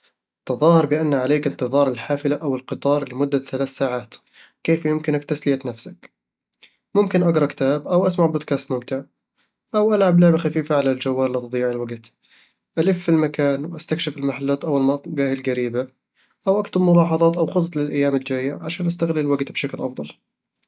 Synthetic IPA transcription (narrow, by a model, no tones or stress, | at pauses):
t̪ɑðˤɑːhɑɾˤbɪʔanːʕaleːkɪnt̪ɨðˤɑːɾˤɪlħaːfɪlaʔawɪlqɨt̪ˤɑːɾˤlɪmʊd̪ːaθalaːθsaːʕaːt̪ | keːfjʊmkɪnakt̪aslɪjat̪nafsak | mʊmkɪnʔaɡɾˤɑkɪ̥t̪aːbʔawʔasmaʕboːd̪̚kaːst̪mʊmt̪ɪʕ | ʔawʔalʕablaʕbaxafiːfaʕalald͡ʒawːaːɾlit̪ɨd̪ˤijːɪʕɪlwaɡt̪ | ʔalɪfːilmakaːnwʔast̪akʃɪfɪlmaħalːaːt̪ʔawːalmaɡaːhɪlɡaɾiːba | ʔawʔakt̪ʊbmʊlɑːħɑðˤɑːt̪ʔawxʊt̪ˤt̪ˤlɪlʔajːaːmɪld͡ʒaːjːaʕaʃaːnʔast̪aɣlɪlwaɡt̪bʃaklʔɑfðˤɑl